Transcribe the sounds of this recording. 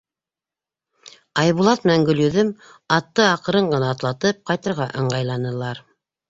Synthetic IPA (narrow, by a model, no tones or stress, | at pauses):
ɑjβulˠɑt̪̚mɘ̆næŋɡɵ̆ljɵ̆ðɵm | ɑt̪ːɤɑqɤ̆ɾɤɴɢɤ̆nɑːt̪lˠɑt̪ɤp̚qɑjt̪ɤ̆ɾʁɑʔɤ̆ɴɢɑjlˠɑnɤ̆lˠɑɾ